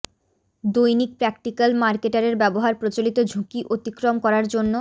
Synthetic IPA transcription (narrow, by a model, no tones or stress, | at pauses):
d̪ojnik̚pɾɛkʈikalmaɾkeʈaɾeɾbɛboɦaɾpɾot͡ɕolit̪od͡ʑʱukiʔot̪ikɾomkɔɾaɾd͡ʑonːo